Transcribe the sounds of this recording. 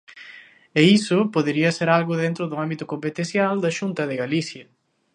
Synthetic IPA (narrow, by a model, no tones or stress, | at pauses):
eisʊpoðeɾiɐseɾalɣʊðent̪ɾʊðʊambit̪ʊkompet̪ẽθjald̪ɐʃunt̪ɐðɪɣaliθjɐ